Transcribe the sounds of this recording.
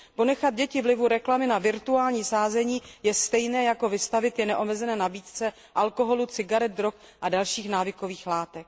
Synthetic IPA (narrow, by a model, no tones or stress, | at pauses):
po̞nɛxad̪̚ɟɛcɪvlɪvuɾɛklamɪnavɪɾt̪uaːlɲiːsaːzɛɲiːjɛst̪ɛjnɛːjako̞vɪst̪avɪt̪jɛnɛʔo̞mɛzɛnɛːnabiːt̪t͡sɛ | ʔalko̞ɦo̞lut͡sɪɡaɾɛd̪̚d̪ɾok | ʔadalʃiːxnaːvɪko̞viːxlaːt̪ɛk̚